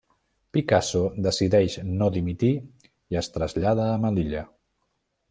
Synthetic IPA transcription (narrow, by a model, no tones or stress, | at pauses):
pikasod̪əsiðɛʃnoðimit̪i | iəst̪ɾəzʎaðəːməliʎə